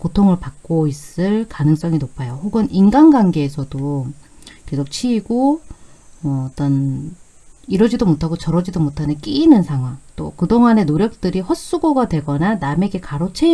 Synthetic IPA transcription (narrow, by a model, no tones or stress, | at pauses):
kotʰoŋɯɭpak̚k͈ois͈ɯɭkanɯŋs͈ʌŋinopʰajoɸoɡɯninɡanɡanɡe̞ːsʰʌdo | kesʰok̚t͡ɕʰiːɡo | ʌːt͈ʌn | iɾʌd͡ʑidomotʰaɡot͡ɕʌɾʌd͡ʑidomotʰanɯnk͈iːnɯnsʰaŋɦwaŋt͈okɯdoŋane̞noɾjʌk̚t͈ɯɾiɸʌs͈uɡoɡadwe̞ɡʌnaname̞ɡe̞kaɾot͡ɕʰe